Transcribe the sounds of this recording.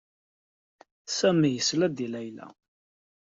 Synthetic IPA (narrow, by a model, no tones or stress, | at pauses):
sæmijəslæd̪ilæjlæ̰